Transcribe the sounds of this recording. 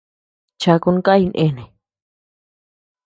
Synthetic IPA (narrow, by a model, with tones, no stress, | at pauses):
t͡ʃa˧ku˧n˦ka˦i˧nʔḛ̃˦˨nẽ˨